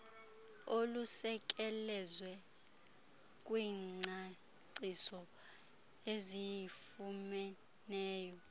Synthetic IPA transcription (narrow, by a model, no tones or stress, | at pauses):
olusɛk̬ʼɛlɛzwɛ | k̬ʼwiːŋ͡ǀʱa | ǀisɔ | ezijifumɛ | nɛːjɔ